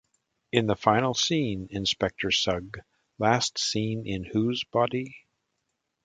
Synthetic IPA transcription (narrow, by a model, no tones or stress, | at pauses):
ɨ̃nðəfãɪ̃nl̩ˠsĩnɨ̃nspɛk̚tʰə˞sʌɡ | læstsĩnɪ̃nhuzbɑɾi